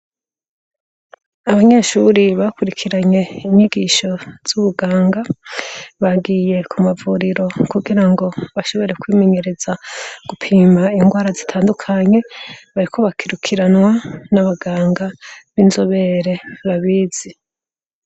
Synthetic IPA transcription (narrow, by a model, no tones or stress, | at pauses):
aβaɲe̞ːʃuɾiβakuɾikʰiɾaɲe̞iɲiɡiːʃo̞z̥uβuɡaːŋɡa | βaɡiːje̞kʰumavuɾiɾo̞kuɡiɾaŋɡo̞βaʃo̞βo̞ɾe̞kwiːmeɲe̞ɾe̞zaɡ̥upʰiːmaiŋɡwaːɾazitʰaːndukʰaɲe̞βaɾiko̞βakʰiɾukʰiɾanwanaβaɡaːŋɡaβinzoβe̞ɾe̞βaβiːz̥i